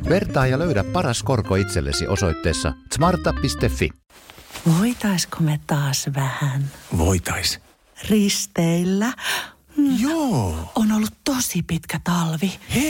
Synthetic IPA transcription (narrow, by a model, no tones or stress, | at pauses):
ʋe̞rt̪ɑːjɑløɥdæpːɑrɑsko̞rkoit̪selːḛsḭʔo̞so̞̰jt̪ːeːsːɑ̰smɑrt̪ːɑpːist̪efːḭ | ʋoit̪ɑiskomet̪ɑːsʋæhænʋo̰it̪ɑis | rist̪eilːæ | joːonolːut̪t̪osipit̪kæt̪ɑlʋih